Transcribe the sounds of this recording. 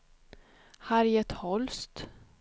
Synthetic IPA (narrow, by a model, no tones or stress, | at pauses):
haɾjɛt̪hɔlst̪